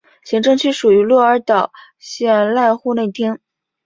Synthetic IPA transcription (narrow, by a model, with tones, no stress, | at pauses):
ɕi˧˥ŋʈ͡ʂɤ˥˧ŋt͡ɕʰy˥˩ʂu˨˩y˧˥lwɔ˥˩ə˞˧˥t̪ɑ˨˩˦ʊ | ɕjɛ˥˧nla˥˧nxu˥˧ne˥˩ɪt̪ʰjɛ˥n